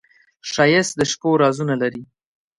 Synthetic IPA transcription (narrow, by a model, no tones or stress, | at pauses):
ʃɑjɪs̚d̪əʃkoɾɑzunalaɾi